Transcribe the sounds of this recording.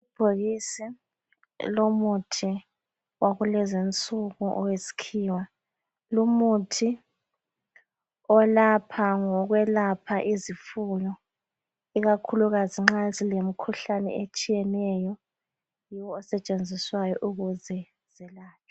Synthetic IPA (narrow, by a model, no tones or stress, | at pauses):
ub̥ʱoɣisi | lomutʰi | wʔaɣulɛzint͡sʼuɣuʔɔ̰wesi̥kʰiːwa | lumutʰi | ɔlapʰaŋɔɣwɛlapʰaʔizifujɔ | iɣakʰuluɣaziŋ͡ǁazilem̩kʰuɬanɛ̰et͡ʃʼijɛnɛjɔ | jiwɔːsɛt͡ʃʼend͡zʱiswajɔʔuɣuzɛ | z̥ɛlaːt͡ʃʰɔ̥